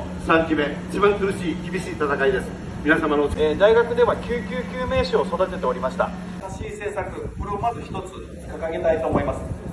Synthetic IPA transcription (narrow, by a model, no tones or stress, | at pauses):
sãŋkʲime̞it͡ɕibãŋkɯɾɯɕiːkʲibʲiɕiːt̪at̪akaid̪e̞sɨ̥ | mʲinasamanoeːd̪aiɡakɯ̟d̪e̞βakʲɨːkʲɨːkʲɨːme̞ːɕioso̞d̪at̪e̞t̪e̞o̞ɾʲimaɕi̥t̪a̰ | t̪aɕiːse̞ːsakɯ̟koɾeomazɨçi̥t̪o̞t͡sɨ | kakaɡe̞t̪ait̪o̞ːmo̞imasɨ̥